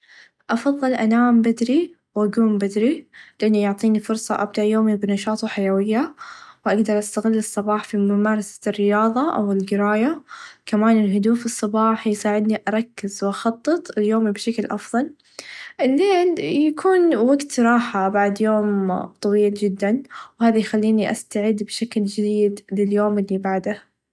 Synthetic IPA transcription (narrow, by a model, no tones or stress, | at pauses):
ʔɑfɑðˤːɨlʔanaːmbɪd̪ɾi | wʔaɡuːmbɪd̪ɾilɪʔanːijʊʕt̪ˤiːnifʊɾsˤɑ̰ʔa̰b̚d̪aʕʔjoːmibɪnɑʃɑːt̪ˤuħajawɪjːawʔaɡd̪ɑɾˤʔast̪aɣɪlːɨsˤːɑbɑːħfimʊmɑːɾˤɑsḁrːɪjɑːðˤɑʔa̰wɪlɡɪɾaːjakamaːnɪlɦʊd̪uːfɨsˤːɑbɑːħjsaːʕɪd̪niʔɑɾˤɑkːɪzwʔɑxɑt̪ˤːɨt̪ˤɪljoːmibʃaklʔɑfðˤɑl | ʔɪlːeːnjakʰuːnwaɡt̪ɾˤɑːħabaʕd̪joːmt̪ˤɑwiːld͡ʒɪd̪ːanwhaːðajxalːiːniʔast̪aʕɪd̪ːbɪʃakld͡ʒɪd̪iːd̪lɪljoːmɪlːibaʕd̪a